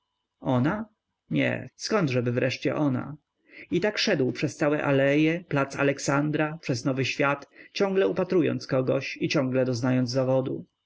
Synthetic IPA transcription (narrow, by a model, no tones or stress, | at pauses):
ɔna | ɲɛ̰skɔnd̪ʐɛbɘvɾɛʂt͡ɕɛ̰ʔɔna̰ | it̪akʂɛd̪wpʂɛst̪sawɛʔalɛjɛplat̪sa̰lɛksand̪ɾapʂɛznɔvɘɕfʲjat̪t͡ɕɔ̃ŋɡlɛupat̪ɾujɔ̰nt̪skɔɡɔɕit͡ɕɔ̃ŋɡlɛd̪ɔznajɔnd̪zzavɔd̪ṵ